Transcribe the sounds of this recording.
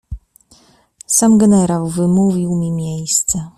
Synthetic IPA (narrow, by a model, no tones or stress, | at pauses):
samɡɛnɛɾawvɘmuvʲiwmʲimʲjejst̪sɛ